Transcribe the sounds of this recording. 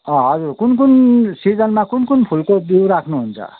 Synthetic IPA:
ʌɦʌd͡zuɾkunkunsid͡zʌnmakunkunpʰulkod̪iwɾakʰnuɦunt͡sʰʌ̰

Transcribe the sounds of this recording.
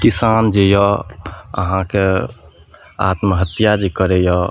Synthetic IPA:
kisand͡ʒejɔ | ə̰ɦãke | a̰t̪məɦət̪jad͡ʒekəɾejɔ

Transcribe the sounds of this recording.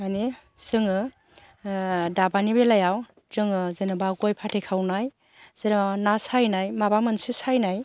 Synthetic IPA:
manisɯŋɯ | dabanibelajaw | tɯŋɯzenɯbaɡojpʰatʰekʰawnaj | z̥eɾnasajnajmabamɯnsisajnaj

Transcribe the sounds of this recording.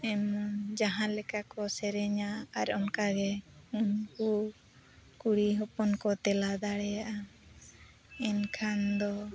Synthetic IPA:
ɛmd͡ʒaɦãlɛkakɔsɛɾɛɲaaɾɔnkaɡɛumku | kuɽiɦɔpɔnkɔt̪ɛlad̪aɽɛjaʔa | ɛnkʰand̪ɔ

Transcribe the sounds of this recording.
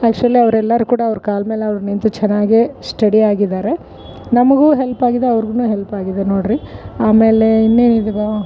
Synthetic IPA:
aːk̚t͡ʃuɐlːiɐʋɐɾɛlːɐɾukuːɽɐːʋɾukaːlmeːleɐʋɐɾunint̪ut͡ʃɛnːaːɡesʈɐɽiaːɡid̪aːɾe̞ | nɐmɐɡuːɦelpaːɡid̪eɐʋɐɾɡunuːɦelpaːɡid̪eno̞ːɽɾiaːme̞ːleinːeːnid̪ɐɡa

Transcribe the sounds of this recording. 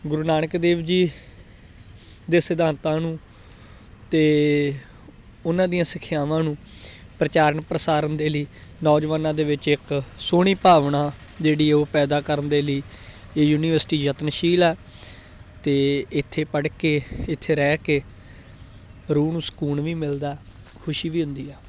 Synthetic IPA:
ɡʊɾuːnaːɳəkd̪eːʋd͡ʒiː | d̪eːsɪd̪ãːnt̪ãːnũː | t̪eː | ʊnãːd̪ijãːsɪkʰjaːʋãːnũː | pɾət͡ʃaːɾəɳpɾəsaːɾənd̪eːləiːnɔːd͡ʒʋaːnãːd̪eːʋɪt͡ʃɪksoːɽ̃iːpaːʋɳãː | d͡ʒeːɽiːoːpɛːd̪aːkəɾənd̪eːləiː | eːjuːniːʋəɾsʈiːd͡ʒət̪nʃiːlɛː | t̪eːɪt̪ʰːeːpəɽkeːɪt̪ʰːeːɾɛːkeː | ɾuːnũːsə̥kuːɳʋiːmɪld̪aː | kʰʊʃiːʋiːɦʊ̃nd̪iːɛː

